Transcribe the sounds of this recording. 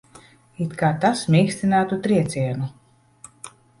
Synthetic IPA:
it̪kaːt̪asmʲiːksʲt̪inaːt̪ut̪ɾiɛt̪sʲiɛnu

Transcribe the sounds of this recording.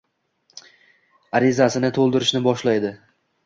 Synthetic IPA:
aɾɪzasɪnɪt̪ʰolˠd̪ɪɾɪʃnɪbɒʃlajd̪ɪ

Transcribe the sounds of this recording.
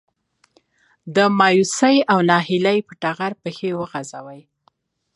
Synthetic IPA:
d̪əmɑjusajawnɑhɪlajpəʈaɣaɾpəxewəɣazawəj

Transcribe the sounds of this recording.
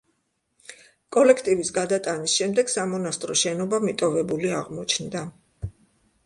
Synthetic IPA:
kʼɔlɛkʰt̪ʼivisɡad̪at̪ʼanisʃɛmd̪ɛɡ̥samɔnast̪ʼɾɔʃɛnɔbamit̪ʼɔvɛbuliaʁmɔt͡ʃʰnd̪a

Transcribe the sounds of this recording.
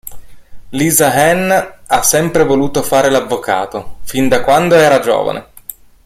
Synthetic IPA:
liːzaɦɛnasːɛmpɾevoluːt̪ofaːɾelavːoka̰ːt̪ofind̪akwand̪oɛːɾad͡ʒo̰ːva̰nḛ

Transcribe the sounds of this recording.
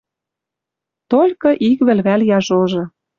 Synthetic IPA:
t̪olʲkɤ̆ʔikβɘ̆lβæljɑʒoʒɤ̆

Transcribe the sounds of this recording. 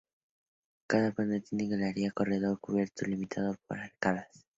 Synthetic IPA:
kaðapand̪et̪ineɣalaɾiako̞reðo̞ɾkuβjeɾt̪ulimit̪ʰaðop̚o̰ɾalkaβas

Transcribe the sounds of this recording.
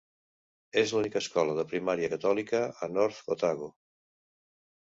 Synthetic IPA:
ezlunikəskɔləðəpɾimaɾiəkət̪ɔlikəənɔɾt̪ot̪aɣo

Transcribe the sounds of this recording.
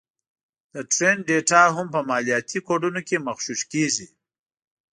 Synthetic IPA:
d̪̥əʈɾenɖeʈaɦʊmpəmaːlijaːt̪ʰikoɖunokemɐxʃuʃkezi

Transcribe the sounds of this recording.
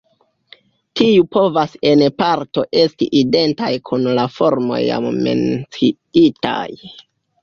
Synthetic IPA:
tiupo̞vase̞npaɾto̞ʔe̞stḭʔide̞ntajkʰunlafo̞ɾmo̞̰ja̰mme̞̰nt͡si | ita̰j

